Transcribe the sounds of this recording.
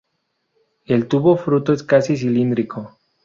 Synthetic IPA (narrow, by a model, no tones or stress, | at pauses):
elt̪uβofɾut̪oeskasis̬ilind̪ɾikʰo